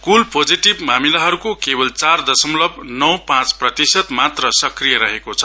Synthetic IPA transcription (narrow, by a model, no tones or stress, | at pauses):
kulpod͡ziʈibmamilaɦʌɾukokebʌlt͡sard̪ʌsʌmlʌbnʌwpãt͡sprʌt̪isʌt̪mat̪rʌsʌkrijʌɾʌɦekot͡sʰʌ̥